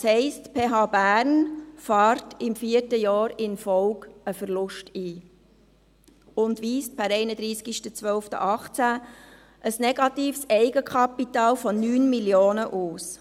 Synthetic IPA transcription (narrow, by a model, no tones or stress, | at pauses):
hɛɪstpʰeːɦɑːbæːɾnfɑːɾtɪmfiərtəjɑːɾɪnfɔʊkəfəɾlʊʃtiː | ʊndʋiːst̚pʰæɾɛɪnəd̥̪ɾiːskiʃtət͡sʋœlftə̰ʔɑχt͡sæ | ʔəsnɛɡ̥ɑtiːfsɛɪɡəkʰɑpitɑːlfɔnyːnmiljoːnəʔuːs